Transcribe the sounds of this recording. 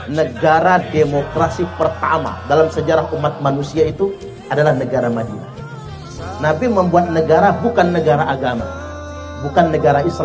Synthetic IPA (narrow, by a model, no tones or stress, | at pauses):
nəɡaɾademokɾasipərt̪a̰ma̰dalamsəd͡ʒaɾaɦumat̪̚manusiait̪u | adalahnəɡaɾamadḭa̰ | nabiməmbuat̪̚nəɡaɾabukanːəɡaɾaʔaɡama̰ | bukanːəɡaɾaisl